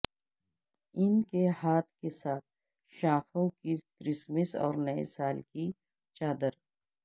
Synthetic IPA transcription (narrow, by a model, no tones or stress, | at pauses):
ɪnkehaːt̪̚ʰkesaːt̪̚ʰ | ʃaːxõkikɾɪsmɪsɔ̰ːɾnɐḛsaːlki | t͡ʃaːd̪əɾ